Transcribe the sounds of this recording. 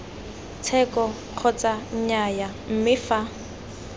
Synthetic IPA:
t͡sʰɛkʼɔ | q͡χʰɔt͡saɲajam̩mɪfa

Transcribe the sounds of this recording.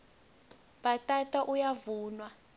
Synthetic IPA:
batʼatʼaʔujavuːnwa

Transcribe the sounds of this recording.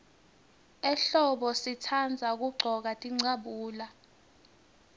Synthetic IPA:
ɛɬɔɓɔsitʰand͡zʱak̬uɡ͡ǀʱɔk̬atʼiŋ͡ǀaɓuːla

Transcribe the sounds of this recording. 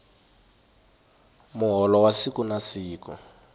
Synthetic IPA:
mʊɦɔlɔwasikunasiːkɔ

